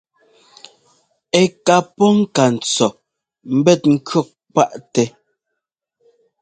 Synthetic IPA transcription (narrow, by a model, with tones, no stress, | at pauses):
ɛ˨ka˨pɔ˦ŋ̩˦ka˨n̩˨t͡sɔ˨ | m̩˦bɛ˦˨t̚ŋ̩˦kɥɔ˦˨k̚k͡pa˦ʔtɛ˨